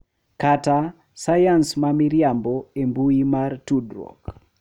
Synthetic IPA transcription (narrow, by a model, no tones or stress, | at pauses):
kata | sajansmamiɾjambɔembuimartudɾɔ̰k